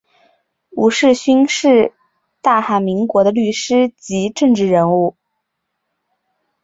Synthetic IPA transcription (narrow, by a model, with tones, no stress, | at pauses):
u˨˩ʂɻ̩˥˩ɕy˥nʂɻ̩˥˧ | t̪a˥˩xa˧˩mi˧˥ŋkwɔ˧˥d̪ə˧ly˥˩ʂɻ̩˥t͡ɕi˧˥ʈ͡ʂɤ˥˧ŋʈ͡ʂɻ̩˥˩ɻə˧˥nu˥˩